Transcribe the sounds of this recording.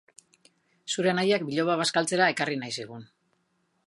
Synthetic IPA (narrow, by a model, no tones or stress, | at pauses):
suɾe̞najak̚biʎo̞βaβ̞askalt͡se̞ɾae̞karinajsiɣ̞un